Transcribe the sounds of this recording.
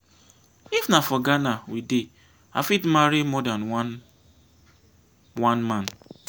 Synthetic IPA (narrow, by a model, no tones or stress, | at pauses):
ifnafɔɡanawide | a̰fitmaɾimɔdanwn | wãnmãn